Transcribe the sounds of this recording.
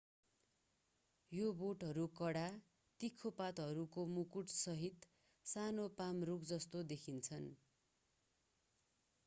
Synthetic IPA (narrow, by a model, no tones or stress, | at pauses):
joboʈɦʌɾukʌɽa | t̪ikʰːopat̪ɦʌɾukomukuʈsʌɦit̪ | sanopamrukd͡zʌst̪od̪ekʰint͡sʰʌn